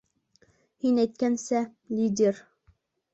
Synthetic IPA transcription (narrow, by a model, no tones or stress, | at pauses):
hinæjt̪̚kʲænsæ | lʲid̪ʲeɾ